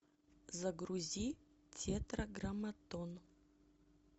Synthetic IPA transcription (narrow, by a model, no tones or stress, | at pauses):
zɐɡɾuzʲi | tʲʰet̪ɾɐɡɾɐmɐt̪on